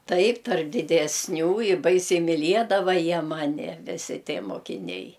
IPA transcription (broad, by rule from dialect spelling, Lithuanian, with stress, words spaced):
ˈtɐɪp tɐrp dʲɪdʲɛsʲˈnʲuː ɪ ˈbɐɪsʲɛɪ mʲɪˈlʲiɛdɐʋɐ ˈjiɛ ˈmɑːnʲɪ ʋʲɪˈsʲɪ ˈtʲiɛ moːkʲɪˈnʲɛɪ